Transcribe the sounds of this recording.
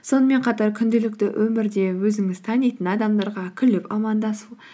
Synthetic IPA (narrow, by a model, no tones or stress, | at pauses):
so̞nəme̞ɴqʰɑt̪ɑɾkʲʰʏnd̪elɪk̚t̪ɪwʔɵmɪɾd̪e̞wɵzɪŋɪz̥t̪ʰɑnejt̪ɪnɑd̪ɑmd̪ɑɾʁɑkʲʰʏlɪpɑmɑnd̪ɑsu